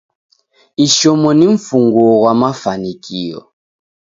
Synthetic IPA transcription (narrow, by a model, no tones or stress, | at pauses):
iʃɔmɔniɱ̩fuŋɡwɔwamafanikʰiɔ̰